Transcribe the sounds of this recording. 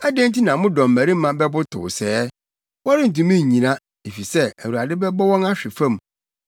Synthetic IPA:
a˦dẽ˦n̩˦ti˦nã˨mʊ̃˦dɔ̃˨m̩˨mæ˨ɾi˦mã˨bɛ˦bʊ˦tʰʊ̰˨sɛː˦ | wɔ˦ɾɪ˦n̩˨tũ˨mĩ˦ɲ˨ɲĩ˨nã˦ | e˨fi˨sɛ˦æ˨wu˨a˨dɪ˦bɛ˦bɔ˦wɔ̃˦na˦ɕᶣɪ˨fã˦˨m˨

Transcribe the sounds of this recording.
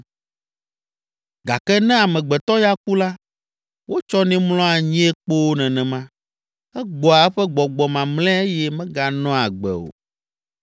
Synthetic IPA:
ɡa˨kɛ˦nɛ̃˦a˨mɛ̃˨ɡ͡bɛ˨t̪ɔ˦ja˦ku˦la˦ | wo˦t͡ʃɔ˦nĩ˦mlɔ̃˦a˨ɲĩ˦ɛ˦k͡po˦wo˦nɛ̃˨nɛ̃˨mã˦ | ɛ˦ɡ͡bɔ˨a˨ɛ˦ɸɛ˦ɡ͡bɔ˨ɡ͡bɔ˨mã˨mlɛ̃˦e˦jɛ˦mɛ̃˦ɡa˨nɔ̃˦a˨ɡ͡bɛ̰˨o̰˨

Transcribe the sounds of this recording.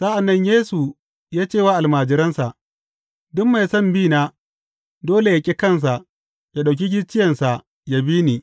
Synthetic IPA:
sa˦ʔa˨nːɐ˦ɲjeː˦su˨ | jaː˦t͡ʃeː˦˨waː˦ʔa˨lmaː˨d͡ʒɪ˦ɾɐ˦nsa˨ʔ | dʊ˦mmːa˨jsɐ˦˨mbiː˦˨naː˦ | doː˦le˨ja˨kʲʼi˦kɐ˦ns̬a˨ʔ | ja˨ɗa˨k̬ʲi˦ɡʲɪ˦t͡ʃːɪ˦jɐ˨nsa˨ʔ | ja˦biː˦niː˨

